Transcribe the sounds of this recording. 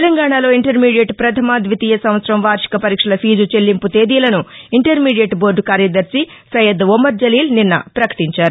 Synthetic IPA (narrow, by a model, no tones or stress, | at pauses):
t̪elɐŋɡaːɳalo̞ːiɳʈɐɾmiːɖijeʈpɾɐt̪ʰɐmaːd̪ʋit̪iːjɐsɐmʋɐt̪sɾɐmʋaːɾʂi̥kɐpɐɾiːkʂɐlɐpʰiːd͡ʒut͡ʃe̞lːimput̪e̞ːd̪iːlɐnuiɳʈɐɾmiːɖijeʈboːɾɖkaːɾjɐd̪ɐɾsisɐjɐd̪omːɐɾd͡ʒɐliːlninːɐ̰pɾɐkɐ̥ʈiɲt͡ʃaːɾu